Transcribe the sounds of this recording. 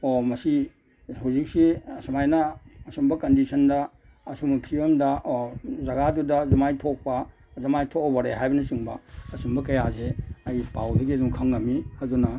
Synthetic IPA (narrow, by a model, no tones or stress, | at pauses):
omɐsi | huwzik̚siɐsumajnɐːsumbɐkɐndisʰɐndɐ | ɐsumpʰiɐmdɐʔzɐɡadudɐzɐmajtʰok̚pɐ | zɐmajtʰok̚bɐɾeɦajbɐnisiŋbɐɐsumbɐkɐjazeɐjpawdɐɡiɐduŋkʰɐŋːɐmihɐdunɐ